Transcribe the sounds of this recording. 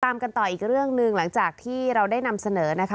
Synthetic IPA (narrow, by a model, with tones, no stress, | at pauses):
aː˧mka˧nt̪ɔː˨˩ʔiː˨˩k̚ɾɯ˥˩əŋnɯ˧ŋla˩˦ŋt͡ɕaː˨˩k̚t̪ʰiː˥˩ɾa˧wdaː˥˩jna˧msa˧nɤː˩˦na˦˥kʰ